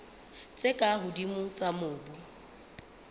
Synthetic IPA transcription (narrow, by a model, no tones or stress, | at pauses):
t͡sʼekʼaɦʊdimʊt͡sʼamʊːbʊ